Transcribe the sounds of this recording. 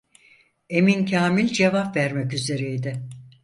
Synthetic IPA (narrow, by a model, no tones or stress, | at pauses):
e̞mincʰaːmilʲd͡ʒevapvæɾmɛcyze̞ɾejd̪ɪ